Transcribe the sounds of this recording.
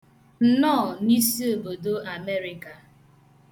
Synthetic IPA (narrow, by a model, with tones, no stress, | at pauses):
n̩˦nɔ˦˨ni˦si˦o˨bo˨do˦a˨me˦ɾi˨ka˨